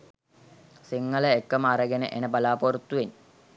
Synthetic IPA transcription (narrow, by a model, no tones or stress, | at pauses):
siŋːɐləekːɐməaɾɐɡenə̰ʔenəbɐlaːpoɾut̪ːuʋin